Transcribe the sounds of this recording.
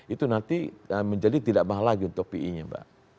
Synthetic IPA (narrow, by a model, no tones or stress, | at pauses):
it̪unant̪iəməɲd͡ʒadit̪idaʔmaɦalaɡiunt̪ʊk̚piʔḭɲaba̰ʔ